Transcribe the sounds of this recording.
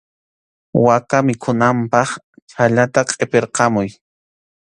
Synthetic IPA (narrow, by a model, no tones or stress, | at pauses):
wakamɪkʰʊnampɑχ | t͡ʃʰaʎat̪aqʼepeɾqɑmʊj